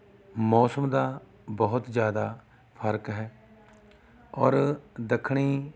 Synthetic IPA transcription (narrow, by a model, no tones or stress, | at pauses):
mɔːsəmd̪aː | bəɦʊt̪d͡ʒjaːd̪aː | pʰəɾkɦɛː | ɔːɾd̪əkʰɽ̃iː